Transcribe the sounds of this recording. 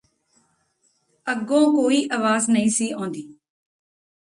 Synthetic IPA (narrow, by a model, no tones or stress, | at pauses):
əɡõːkoːiːʔəʋaːznəĩːsiːõːnd̪iː